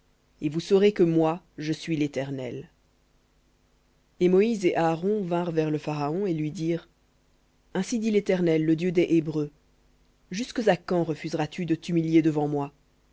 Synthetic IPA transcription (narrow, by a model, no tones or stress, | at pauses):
evusɔʁekəmwa | ʒəsɥilet̪ɛʁnɛl | emɔizeʔaːʁɔ̃vɛ̃ʁvɛʁləfaʁaɔ̃elɥid̪iːʁ | ɛ̃sid̪ilet̪ɛʁnɛlːəd̪jød̪ɛʔebʁø | ʒyskəzakɑ̃ʁəfyzʁat̪yd̪ət̪ymiljed̪əvɑ̃mwa